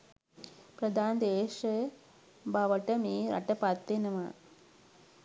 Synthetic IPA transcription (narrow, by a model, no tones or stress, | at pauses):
pɾɐd̪aːnd̪eːʂɐ | baʋɐʈːɐmiɾɐ̰ʈːɐpaːt̪ːenɐma